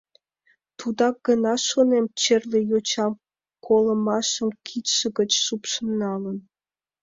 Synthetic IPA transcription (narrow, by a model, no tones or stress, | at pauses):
t̪ud̪ɑɡ̥ənɑʃonemt͡ɕerlejot͡ɕɑm | kʰolə̆mɑʃəmkʰit̪ʃə̆ɡət͡ɕʃupʃəmnɑlən